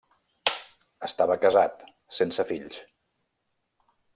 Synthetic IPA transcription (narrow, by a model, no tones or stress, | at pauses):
əst̪aβəkəzat̪ | sensəfiʎs